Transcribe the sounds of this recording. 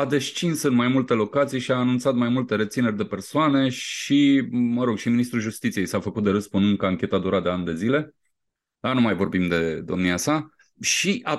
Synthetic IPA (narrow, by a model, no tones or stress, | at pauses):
ad̪e̞st͡ʃinsɨnmajmult̪e̞lo̞kat̪sijʃiaːnunt̪sat̪majmult̪e̞ɾe̞t̪sine̞rʲd̪e̞pe̞rsoane̞ʃiməɾo̞ɡʃiminist̪ɾuʒust̪it̪sije̞jsafəkut̪d̪eɾɨspunɨŋkəaŋkʲe̞t̪ad̪uɾat̪̚d̪e̞anʲd̪e̞zile̞ | lanumajvo̞rbimd̪e̞d̪o̞̰mniasa | ʃiʔa